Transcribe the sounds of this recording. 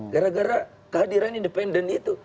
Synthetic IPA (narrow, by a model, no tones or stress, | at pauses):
ɡaɾaɡaɾa | kəɦadiɾanindɛpɛndɛnit̪u